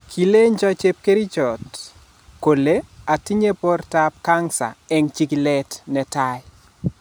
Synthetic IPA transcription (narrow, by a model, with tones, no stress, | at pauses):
kʰi˨le˦ɲd͡ʒɔ˦t͡ʃe˦p̚ke˦ɾi˦d͡ʒɔ˨t | ko˨le˦a˨ti˦ɲe˦po˦rta˦p̚ka˦ŋsa̰˨ɛ˦ŋt͡ʃi˦kilɛ˦tnɛ˨taɪ